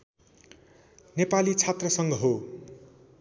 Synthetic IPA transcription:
nepalit͡sʰat̪rʌsʌŋɡʌɦo

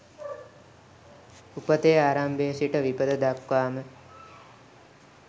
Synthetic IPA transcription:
upət̪eaːɾambeːsiʈəʋipəd̪əd̪akʋaːmə

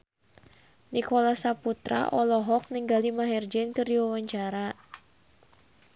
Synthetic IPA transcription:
nikɔlasaput̪ɾa̰ʔɔlɔɦɔk̚niŋɡalimaɦɛrd͡ʒɛnkɨrdiwawaɲt͡ʃaɾa

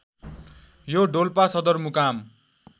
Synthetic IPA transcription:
joɖolpasʌd̪ʌrmukam

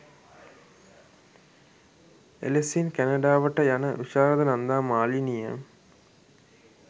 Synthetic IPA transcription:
ḛlesinkænɐɖaːʋəʈəjanəʋiʃaːɾəd̪ənand̪aːmaːlinijə̰

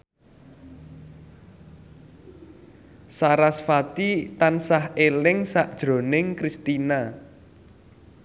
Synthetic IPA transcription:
saɾasfat̪it̪ansahelɪŋsaʔd̥ʒ̥ɾo̤nɪŋkɾist̪ina

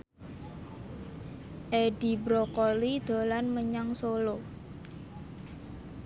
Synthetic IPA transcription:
ʔeɖi̤bɾɔkɔlid̪̥o̤lanməɲaŋsolo

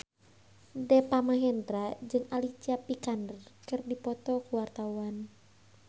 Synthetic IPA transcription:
dɛpamaɦɛnt̪ɾad͡ʒɨŋalit͡ʃiapikandərkɨrdipɔt̪ɔkuwart̪auan

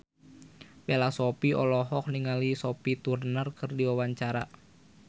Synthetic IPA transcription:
pelasopiɔlɔɦɔk̚niŋalisɔpit̪urnərkɨrdiwawaɲt͡ʃaɾa

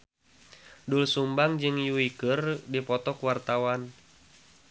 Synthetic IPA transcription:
dulsumbaŋd͡ʒɨŋjuikɨrdipɔt̪ɔkuwart̪awan

